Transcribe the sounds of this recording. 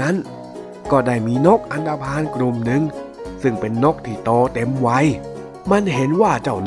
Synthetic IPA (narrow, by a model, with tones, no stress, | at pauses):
a˦˥n | kɔː˥˩daː˧˩jmiː˧nɔ˦˥˩k̚ʔa˧nt̪aː˧pʰaː˧˥nkɾu˧˩mnɯ˧ŋ | sɯ˧˩ŋpe˧nːɔ˦˥˩k̚t̪ʰiː˧˩t̪ɔː˧˩t̪e˧mwa˧˥j | ma˧nɦe˨˦nwaː˥˩t͡ɕa˧˩wn